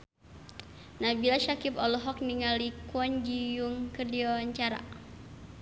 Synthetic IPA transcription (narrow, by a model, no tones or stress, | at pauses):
nabilaʃakipɔlɔɦɔk̚niŋalikɔnd͡ʒijuŋkərdiɔɲt͡ʃaɾa̰